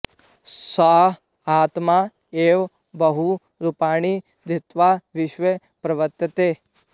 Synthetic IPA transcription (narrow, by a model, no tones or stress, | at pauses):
saɦ | aːt̪ma | eːʋ | bəɦu | ɾupaːɳ̃i | d̪ʱɪt̪ʋaʋɪʃʋə | pɾɐʋət̪jɐt̪e